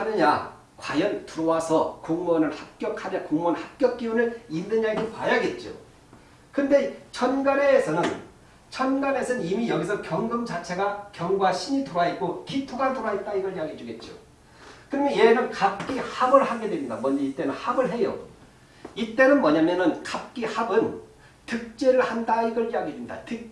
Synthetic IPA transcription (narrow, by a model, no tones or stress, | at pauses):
hanɯɲa | kwajʌntuɾʌwasʰʌkoŋmʌnɯɭhak̚k͈jʌkʰaɾjakoŋmʌnhak̚k͈jʌk̚k͈iunɯɭinnːɯɲaidopajaɡe̞t̚t͡ɕ͈o̰ | kɯnde̞t͡ɕʰʌnɡaɾe̞ːsʰʌnɯn | t͡ɕʰʌnɡaɾe̞sʰʌnɯnimijʌɡis̬ʰʌkjʌŋɡɯmd͡ʑat͡ɕʰe̞ɡakjʌŋɡwaɕʰiɲitoɾaet̚k͈okʰitʰoɡantoɾaet̚t͈aiɡʌɭiɦaɡid͡ʑuɡe̞t̚t͡ɕ͈o̰ | kɯɾʌmjʌnje̞nɯnkap̚k͈ihabɯɭhaɡe̞dwemɲidamʌnd͡ʑʌit͈e̞nɯnhabɯɭɦe̞jo̰ | it͈e̞nɯnmwʌɲamjʌnɯnkap̚k͈ihabɯn | tɯk̚t͡ɕ͈eɾɯɭhandaiɡʌɭiaɡidwenida̰tɯk̚